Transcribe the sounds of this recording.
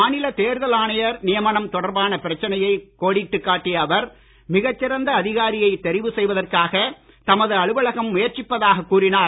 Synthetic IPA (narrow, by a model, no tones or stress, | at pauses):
maːnɪlɐt̪eːɾðɐlaːnɐjɐɾnɪjɐmɐɳɐmt̪ɔɽɐɾbaːnɐpɪɾɐt͡ʃːɐnɐjɐɪkːoːɽɪʈːɯkːaːʈːɪjɐːʋɐɾ | mɪɣɐt͡ʃːɪɾɐnd̪ɐːðɪɣaːɾɪjɐɪt̪ːɛɾɪʋɯsɛjʋɐðɐrkaːɣɐ | t̪ɐmɐðɯɐɭɯʋɐɭɐɣɐmːʊjɐɾt͡ʃɪpːɐðaːɣɐkːuːɾɪnaː